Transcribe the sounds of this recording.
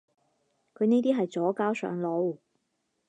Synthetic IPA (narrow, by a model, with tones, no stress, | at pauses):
kʰɵ˨˧ɥneː˥t̪iː˥ɦɐ˨jt͡sɔː˨˥kaː˥wsœ̰ː˨˧ŋlo˨˥w